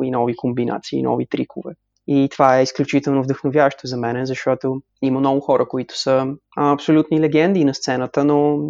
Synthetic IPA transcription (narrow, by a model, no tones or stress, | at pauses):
inɔvikombina̰t̪sḭːnʔɔ̰vit̪ɾikʰovɛ̰ | it̪ovaɛisklʲut͡ʃit̪ɛlˠnovd̪əxnovʲjavəʃt̪ozɐmɛnɛzɐʃt̪ɔt̪o | iməmnɔɡʊxɔɾəkoit̪ʊ̥sə | ɐpsolʲut̪nilɛɡɛnd̪iːnɐst̪sɛnət̪əno